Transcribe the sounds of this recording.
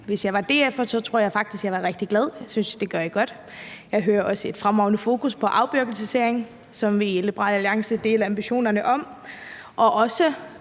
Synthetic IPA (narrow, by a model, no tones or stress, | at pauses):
ʋe̝sjɑ̈ɪʋɑ̈d̥e̝̰ːefɒsɒ̽t͡sʰʁo̝ɐ̰jɪfɑ̈ɡ̥̚d̥isɡ̥jɑ̈ɪʋɑ̈ʁeɡ̥̚d̥iɡ̥lɛð̞ˠjɑɪsynsd̥e̝ɡ̥ɶɐiɡ̥ɒ̽d̥ | jɑ̈ɪɦøːɐʔɒ̽səe̝d̥fʁamɒʊnəfo̝ːkʰuspʰɒ̽ʔɑ̈ʊb̥yɐɡ̥l̩səseɐ̰eŋ | sɒ̽mʋiləb̥əʁɑ̰ːlæliɑ̈ŋsəd̥e̝ːləɑ̈mb̥iɕo̝̰ːnɐnəʔɒ̽m | ʔɒ̽ʔɒ̽sə